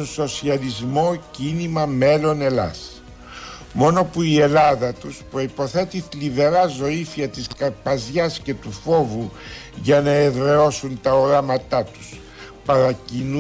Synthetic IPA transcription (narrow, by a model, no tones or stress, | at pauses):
nso̞siɐlizmo̞cinimɐme̞lo̞ne̞lɐ̰s | mo̞no̞puie̞lɐðɐt̪uspɾo̞ipo̞θe̞t̪iθliðe̞ɾɐzo̞ifiɐt̪iskɐɾpɐzʝɐsce̞t̪ufo̞vu | ʝɐnɐeðɾeo̞sunt̪ɐoɾɐmɐt̪ɐt̪u̥s | pɐɾɐcin